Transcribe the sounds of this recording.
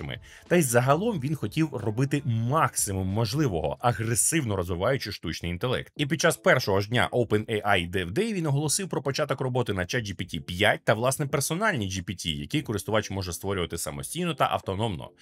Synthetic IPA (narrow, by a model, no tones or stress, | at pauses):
mɪ̰ | t̪ɐjzːɐɦɐlˠɔmʋʲinxɔtʲiwrɔbɪt̪ɪmɑksɪmʊmːɔʒlˠɪʋɔɦɔ̰ʔɐɦɾesɪwnɔɾɔzʋɪʋɑjʊt͡ʃɪʃt̪ut͡ʃnɪjint̪elˠɛ̰k̚t̪ipʲid̚t͡ʃːaspɛrʃɔɦɔʒdʲnʲa̰ʔɔwpɛnɛʔajd̪ɛwd̪ɛʋʲinɔɦɔlˠɔsɪwpɾɔpɔt͡ʃɑt̪ɔkrɔbɔt̪ɪnɐt͡ʃɛd͡ʒipʲitʲipʲjat̚ʲt̪ɐʋlˠɑsnɛpersɔnɑlʲnʲid͡ʒipʲitʲḭjɐ̰kɪjkɔɾɪst̪ʊʋɑt͡ʃmɔʒɛst̪ʋɔɾʲʊʋɐt̪ɪsɐ̰mɔ̰sʲtʲijnɔt̪ɐ̰ʔɐ̰wt̪ɔnɔmnɔ̰